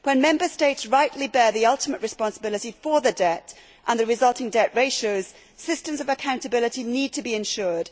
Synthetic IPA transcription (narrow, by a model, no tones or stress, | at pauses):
wə̃nmɛ̃mbə˞steɪtsɹaɪʔlibɛːɹðiʌlˠtəməʔɹɨspɑ̃nsəbɪlɪtifə˞ðədɛt | ʔə̃nðəɹɪzʌlˠtʰɪ̃ŋdɛʔɹeɪʃoʊz̥ | sɪstə̃mzʌvəkʰãʊ̃ntəbɪlɪtinid̚tʰəbiɪ̃nʃɔːɹd̥